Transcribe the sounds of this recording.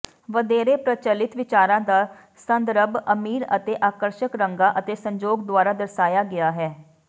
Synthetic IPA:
ʋəd̪eːɾeːpɾət͡ʃəlɪt̪ʋɪt͡ʃaːɾãːd̪aː | sənd̪ɾəbəmiːɾət̪eːʔaːkəɾʃəkɾəŋɡaːʔət̪eːsəɲd͡ʒoːɡd̪ʊwaːɾaːd̪əɾsaːjaːɡɪjaːɦɛː

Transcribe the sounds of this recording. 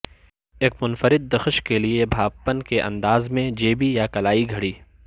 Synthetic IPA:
eːkmʊnfəɾɪd̪̚ːɐxʃkeliebʱaːbpənkeʔɐ̰̃nd̪aːzmẽd͡ʒeːbijakɐlaːiɡʱɐɽiː

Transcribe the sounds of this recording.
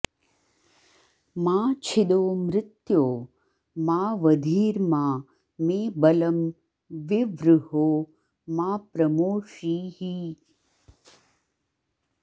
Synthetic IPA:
mãːt͡ʃʰɪd̪oːmɾɪt̪joː | maːʋəd̪ʱiːɾmãː | meːbɐlɐm | ʋɪʋɾʊɦoː | maːpɾɐmoːʃiːhi

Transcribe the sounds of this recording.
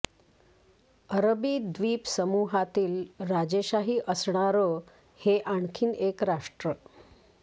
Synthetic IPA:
əɾbiːd̪ʋiːpsəmuɦat̪iːlɾad͡ʑeɕaɦiːʔəsɳ̃aɾo | heʔaɳkʰiːnekɾaʂʈɾə

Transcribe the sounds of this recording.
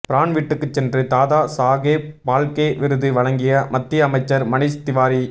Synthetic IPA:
pɪɾaːɳʋiːʈːɯkːɯt͡ʃːɛndrɯt̪aːðaːsaːɣeːpaːlkeːʋɪɾɯðɯʋɐɭɐŋɡɪjɐmɐt̪ːɪɐmɐɪt͡ʃːɐɾmɐnɪst̪ɪʋaːɾi

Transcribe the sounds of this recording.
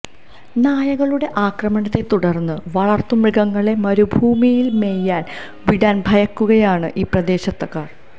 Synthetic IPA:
naːjɐɣɐɭuɽe̞ʔaːkrɐmɐɳɐt̪ːe̞t̪uɽɐrnːɨʋɐɭɐrt̪ːumriɣɐŋːɐɭe̞mɐɾubʱuːmijilme̞jːaːn | ʋiɽaːnbʱɐjɐkːuɣɐjaːɳɨʔiːprɐd̪e̞ːɕɐt̪ːɐkːaːr

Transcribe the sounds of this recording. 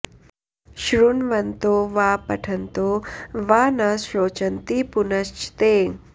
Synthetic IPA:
ʃɾunʋɐnt̪oːʋaːpɐʈʰɐnt̪oʋaːnaːsɾoːt͡ʃɐnt̪ipunɐst͡ʃt̪eːŋ

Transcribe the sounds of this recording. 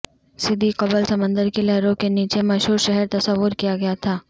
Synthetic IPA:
sɪd̪ʱiqɐbəlsɐmə̃nd̪əɾkelɛɦɾõkeniːt͡ʃemɐʃɦuːɾʃɛɦɛɾt̪ɐsəʋːʊɾkijaɡɐjat̪ʰaː

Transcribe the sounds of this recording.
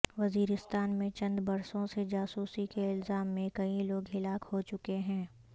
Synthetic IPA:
ʋɐziːɾɪst̪aːnmẽt͡ʃɐ̃nd̪bɐɾsõsed͡ʒaːsuːsikeɪlzaːmːẽkɐĩloːɡɦɪlaːkhot͡ʃʊkeɦɛ̃ː

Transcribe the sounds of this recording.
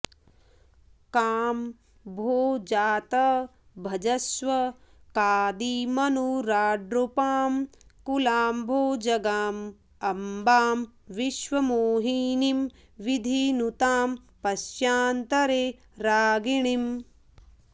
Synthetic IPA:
kaːm | bʱoːd͡ʒaːt̪ɐ | bʱɐd͡ʒɐsʋɐ | kaːd̪iːmɐnuɾaːɖɾupaːmkulaːmbʱoːd͡ʒɐɡaːm | ɐmbaːmʋiʃʋɐmoːɦiːnim | ʋid̪ʱinut̪aːm | pɐsjaːnt̪ɐɾeː | ɾaːɡiɳim

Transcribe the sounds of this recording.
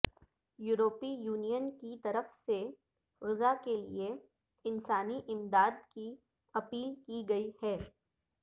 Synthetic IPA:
juːɾoːpijuːnijənkit̪ɐɾəfse | ɣɪzakelḭe | ɪnsaːniʔɪmd̪aːd̪̚ki | ɐpiːlkiɡɐihɛː

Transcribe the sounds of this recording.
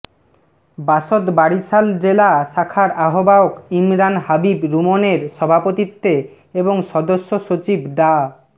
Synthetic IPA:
baʃot̪baɽit͡ɕʰald͡ʑelaʃakʰaɾaɦobaokimɾanhabibɾumoneɾʃɔbʱapot̪it̪ːe | eboŋʃɔd̪oʃːoʃot͡ɕibɖa

